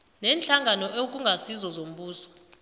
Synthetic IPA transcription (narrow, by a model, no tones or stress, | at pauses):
nɛːnt͡ɬʼaŋɡʱanɔʔek̬ʼuŋɡʱasizɔzom̩ɓuːsɔ̥